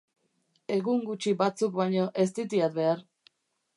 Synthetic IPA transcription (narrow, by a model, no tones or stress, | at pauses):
e̞ɣuŋɡut͡ʃibat͡sukbajɲoʔe̞st̪it̪iat̪̚be̞aɾ